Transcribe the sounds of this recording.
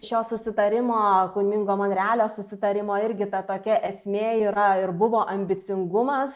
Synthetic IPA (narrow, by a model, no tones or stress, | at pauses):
ʃʲoːsʊsʲɪt̪ɐɾʲɪmoːkʊnʲmʲɪŋɡoːmɐːnɾʲæːlʲoːsʊsʲɪt̪ɐɾʲɪmoːɪɾʲɡʲɪt̪ɐt̪oːkʲɛʔɛsʲmʲeːiːɾɐɪɾbʊʋoːʔɐmʲbʲɪt̪t͡s̪ʲɪŋɡʊmɐs